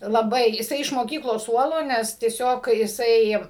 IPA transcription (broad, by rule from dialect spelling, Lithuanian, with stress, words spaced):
lˠɐˈbɐɪ jɪˈsɐɪ ɪʃ moːˈkʲiːklˠoːs ˈsuɔlˠoː ˈnʲɛs tʲiɛˈsʲoːk jɪˈsɐɪ